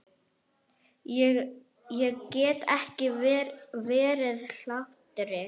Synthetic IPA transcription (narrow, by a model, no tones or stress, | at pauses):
ɛ | jɛɣcɛːt̪ɛhcɪ | vɛːɾɪðl̥aht̪ɾɪ